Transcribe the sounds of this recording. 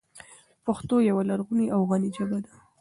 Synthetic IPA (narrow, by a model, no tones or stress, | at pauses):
paxt̪ojawalaɾɣuniʔawɣanid͡ʒabad̪a